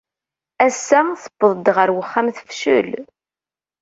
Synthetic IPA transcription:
æsːæθə̥bːəðˤd̪ʁəɾwəχːamθə̥fʃə̰l

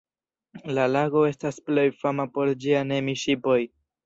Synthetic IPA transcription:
lalaɡo̞e̞stasple̞jfamapo̞ɾd͡ʒiane̞miʃipo̞j

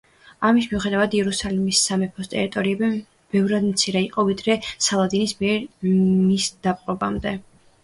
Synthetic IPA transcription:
amismiuχɛd̪avad̪iɛɾusalimisːamɛpʰɔst̪ʼɛɾit̪ʼɔɾiɛbi | b̥ɛvɾad̪mt̪sʰiɾɛiqʼɔvid̪ɾɛsalˠad̪inismiɛɾmisd̪̥apʼqʼɔbamd̪ɛ

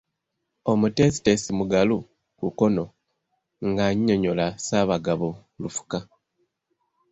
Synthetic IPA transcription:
o̞mute̞si̥tesimuɡalu | kuko̞no̞ | ŋɡaɲːo̞ɲo̞lasaːβaɡaβo | lufu̥ka

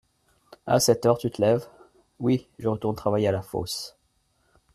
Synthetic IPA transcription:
a̰sɛt̪œʁt̪yt̪əlɛv | wiʒəʁət̪uʁnt̪χavajealafo̰s

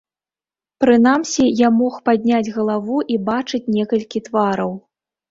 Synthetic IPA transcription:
pɾɨn̪amsʲijamɔxpad̪ʲnʲad͡zʲɣɐlˠavuʔibat͡ʂɨt͡sʲnʲɛkɐlʲkʲit̪vaɾɐw

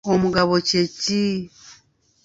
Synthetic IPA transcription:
omuɡaβot͡ʃet͡ʃi

